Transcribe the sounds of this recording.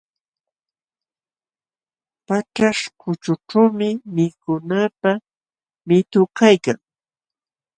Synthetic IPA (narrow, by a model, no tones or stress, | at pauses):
paʈ͡ʂaʂkʊt͡ʃʊʈ͡ʂawmɪmɪkʊnapa | mɪt̪ʊkajkaŋ